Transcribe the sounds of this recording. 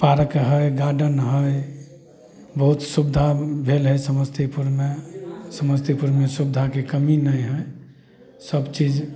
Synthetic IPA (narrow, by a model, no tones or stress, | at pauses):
paɾəkɦəjɡaɖənɦəj | bəɦut̪subd̪ʱabʱelɦəjsəməst̪ʰipuɾmesəməst̪ʰipuɾmesubd̪ʱakekəminəjɦəj | səbt͡ʃid͡ʒ